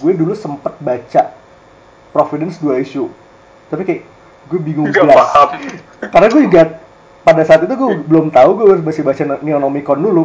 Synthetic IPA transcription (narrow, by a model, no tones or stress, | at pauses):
ɡuɛdulusəmpət̪̚bat͡ʃa | pɾofidɛnsduaiʃu | t̪apikajʔ | ɡuɛbiŋʊŋbəlas | karnaɡuɛɡa | padasaːt̪it̪uɡuɛbəlomt̪auɡuɛɾməsɪbat͡ʃannionomikɔndulu